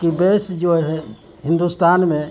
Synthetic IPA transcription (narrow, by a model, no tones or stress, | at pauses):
kibesd͡ʒoɦɛ | ɦɪ̃nd̪ust̪aːnmẽ